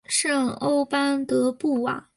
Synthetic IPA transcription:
ʂɤ˥˩ŋo˥ʊpa˥nt̪ɤ˧˥pu˥˩a̰˩

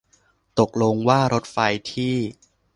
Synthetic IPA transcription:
t̪o˨˩k̚lo˧ŋwaː˥˩ɾo˦˥t̪̚fa˧jt̪ʰiː˥˩

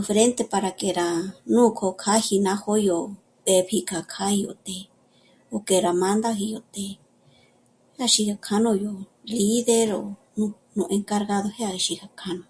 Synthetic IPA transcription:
u˧fɾe˦nt̪e˧pa˧ɾa˧ke˧˨ɾa˧˨nũː˦˨kʰo˧kʰa˦hi˧nã˦ho˦jo˧˨ | t̪e˧βi˧kʰa˨kʰa˦i˧jo̰˧˨t̪e˧ | o˧ke˨ɾa˧mã˧˦nd̪a˦ɦi˧jo˧˨t̪e˧ | he˦a˧ʃi˧ha˧kʰa˦nõ˧jo˧˨li˦ðe˦ɾo̰˨ | nũ˧ | nũ˧ʔẽ˧ŋka˧ɾɣa˦ðo˧he˦a˧i˧ʃi˧ha˧kʰa˧nõ˧

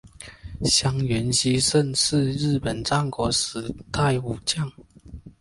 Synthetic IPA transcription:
ɕja˥ŋɥɛ˨˦nɕi˦˥ʂə˥˧˨nʂɻ̩˥˧ɻ̩˥˩pə˨˩nʈ͡ʂɑ˥˨ŋkwɔ˧˥ʂ̩˨˥˦t̪ʰa˥˩ɪu˨˩t͡ɕjɑ˥˨ŋ

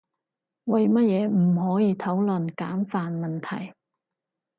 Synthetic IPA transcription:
wɐ˨jmɐ˥t̚jɛː˨˧m̩˨˩hɔː˨˥jiː˨˧t̪ʰo˨˥wlɵ˨nkaː˨˥mfaː˨nmɐ˨nt̪ʰɐ˨˩j

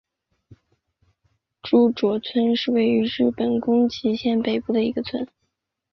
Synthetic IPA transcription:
ʈ͡ʂu˥˩ʈ͡ʂwɔ˨˩t͡sʰwə˥nʂɻ̩˥˧we˥˩ɪy˧˥ɻɻ̩˥˩pə˨˩nkʊ˥ŋt͡ɕʰi˧˥ɕjɛ˥˩npe˨˩ɪpu˥˩d̪ə˩i˧˥ɡə˧t͡sʰwə˥n

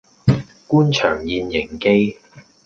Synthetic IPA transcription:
kuː˥nt͡ʃʰœː˨˩ŋjiː˨˧njɪ˨˩ŋke˥j

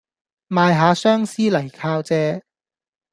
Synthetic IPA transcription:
maː˨jɦaː˨˧sœː˥ŋsiː˥lɐ˨˩jkʰaː˧wt͡sɛː˧

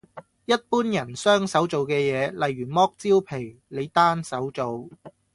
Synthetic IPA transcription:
jɐ˥t̚puː˥njɐ˨˩nsœː˥ŋsɐ˨˥wt͡so˨wkɛː˧jɛː˨˧lɐ˨˧jyː˨˩mɔː˥k̚t͡siː˥wpʰe˨˩j | le˨˧jt̪aː˥nsɐ˨˥wt͡so˨w

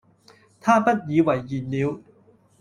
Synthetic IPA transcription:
t̪ʰaː˥˩pa˦˥˩t̪̚jiː˨˧˥wa˨˩jːiː˨˩nliː˨˦w

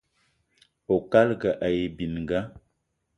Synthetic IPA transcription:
o˨ka˦lɡa˨ʔa˨je˨bi˨n˨ɡa˦

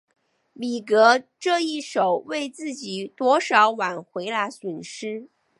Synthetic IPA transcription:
li˨˩kɤ˧˥ʈ͡ʂɤ˥˧i˥˩ʂo˨˩ʊwe˥˧ɪt͡sɹ̩˥˩t͡ɕi˨˩˦t̪wɔ˥ʂɑ˧˥ʊwa˨˩nxwe˧˥ɪla˧˥swə˨˩nʂɻ̩˥

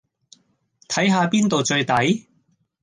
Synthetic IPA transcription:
t̪ʰɐ˨˥jɦaː˧piː˥nt̪o˨wt͡ʃɵ˧ɥt̪ɐ˨˥j

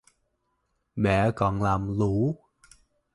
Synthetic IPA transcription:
ɓɛ̰˧˨kɔ˨˩nlaː˨˩mlu˧˨˦

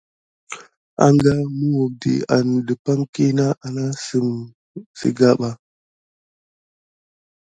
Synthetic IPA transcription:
a̰˨ŋɡa˦mə˦wo˨k̚dḭ˨a˨ndə˨pa˦ŋki˦na˦ʔa˨na˦sə˦m | sə̰˨ɡa˦ɓa˦

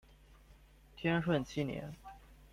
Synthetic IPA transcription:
t̪ʰjɛ˥nʂwə˥˩nt͡ɕʰi˥njɛ̰˧˥n

